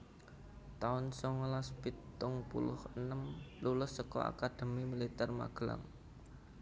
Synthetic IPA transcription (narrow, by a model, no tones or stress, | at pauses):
t̪aʊnsɔŋlasb̥it̪ːʊŋpṵlʊhənəmlulʊsːəkɔ̰a̰kad̪̥ə̤mimilit̪ɛrma̰ɡ̥əla̰ŋ